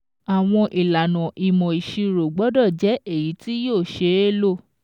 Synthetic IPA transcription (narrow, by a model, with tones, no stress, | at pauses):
a˨w̃ɔ̃˧ʔi˨la˨nɔ̃˨ʔi˨mɔ̃˨i˨ʃi˧ɾo˨ɡ͡bɔ˨˦dɔ˦˨d͡ʒɛ˨˦ʔe˦˨ji˨˦ti˦joː˦˨ʃe˧˦e˦lo˦˨